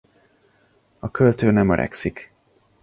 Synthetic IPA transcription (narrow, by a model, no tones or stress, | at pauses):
ɒkʰølt̪øːnɛmøɾʔɛ̰ksik